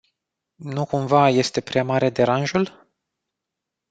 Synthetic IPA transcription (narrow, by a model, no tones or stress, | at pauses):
nukumvaje̞st̪e̞pɾeamaɾe̞d̪e̞ɾanʒul